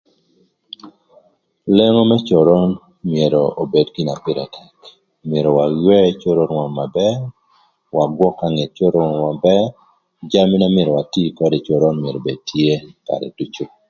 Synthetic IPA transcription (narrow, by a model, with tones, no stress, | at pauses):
lɛ˦ŋo˦mɛ˦t͡ʃɔ˨ɾɔ˦n | mje˨ɾo˨o˨be˨dɡi˦na˨pɪ˦ɾɛ̰˨tʰɛ˨k | mje˨ɾɔ˨wa˨jwɛ˦t͡ʃo˦ɾo˦nwa˨nma˨bɛ˦ | wa˨ɡwɔ˦ka˨ŋe˨t͡ʃo˦ɾɔ˦nwa˨bɛ˦ | d͡ʒa˦mi˦na˦mje˨ɾɔ˨wa˨ti˦kɔ˦de˨t͡ʃɔ˨ɾɔ˦nmje˨ɾo˨be˨tʰje˦ka̰˨ɾɛ̰˨d̥u˦t͡ʃo˦